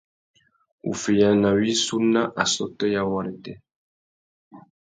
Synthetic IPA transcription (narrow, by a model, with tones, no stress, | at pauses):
ṵ˨fi˨ja˨na˨wi˦su˦na˦ʔa˨sɔ˦tɔ˦ja˦wa˦ɾi˨tɛ˦